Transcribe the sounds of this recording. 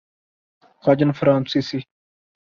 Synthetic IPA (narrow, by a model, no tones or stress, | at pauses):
kʰaːd͡ʒənfɾaːnsiːsi